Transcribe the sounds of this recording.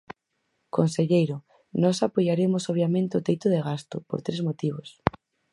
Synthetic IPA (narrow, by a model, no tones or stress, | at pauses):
konseʎejɾo | nɔsapojaɾemosoβ̞jamẽnt̪eot̪ejt̪oðeɣ̞ast̪opo̰ɾt̪ɾezmot̪iβ̞os